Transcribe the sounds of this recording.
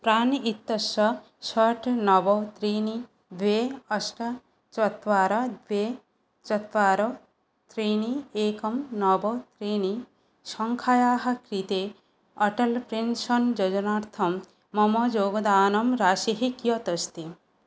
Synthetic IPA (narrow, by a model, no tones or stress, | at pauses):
pɾanit̪ːɐʃɔ | ʃɔʈnɔbɔt̪ɾini | d̪weɔsʈɐ | t͡ʃɔt̪ʋaːɾɐd̪we | t͡ʃɔt̪ʋaːɾɔ | t̪ɾinieːkɔmnɔbɔt̪ɾini | ʃɔŋkʰajaːɦɐkɾit̪e | ɔʈɐlpɾensɔnd͡ʒɔd͡ʒɔnaːɾt̪ʰɔmː | ɔmɔd͡ʒoɡɔd̪aːnɔmɾaːʃiɦikijɔt̪ɔst̪i